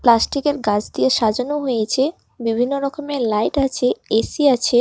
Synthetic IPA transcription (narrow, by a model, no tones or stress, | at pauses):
plasʈikeɾɡad͡ʑʰd̪ijeʃad͡ʑonoɦojet͡ɕʰe | bibʱinːoɾɔkomelajʈat͡ɕʰeesiat͡ɕʰe